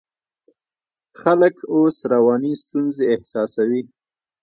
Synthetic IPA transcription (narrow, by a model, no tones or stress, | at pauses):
xaləkosɾawɑnist̪unzeɪhsɑsawi